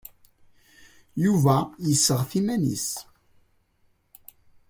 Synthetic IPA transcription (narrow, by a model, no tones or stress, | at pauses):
juvæjəsːəʁθimænḭs